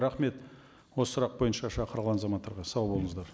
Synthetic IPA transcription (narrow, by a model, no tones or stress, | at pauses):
ɾɑχme̞t̪ | wossɾɑq̚bo̞jənʃɑʃɑqʰəɾʁlˠɑnɑzɑmɑt̪ːɑɾʁɑsɑwbo̞lˠəɴəzd̪ɑɾ